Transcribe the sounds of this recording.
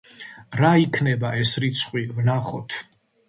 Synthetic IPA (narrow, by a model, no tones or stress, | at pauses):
ɾaikʰnɛbaɛsɾit̪sʰχʼwivnaχɔ̰t̪ʰ